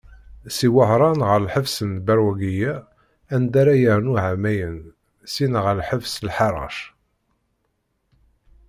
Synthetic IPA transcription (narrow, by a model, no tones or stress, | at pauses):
siwəhɾˤɑnʁəɾlħəfsənbæɾwæɡijæ | ænd̪aɾajəɾnuʕamæjən | sinʁəlħəfslħɑɾˤɑ̰ʃ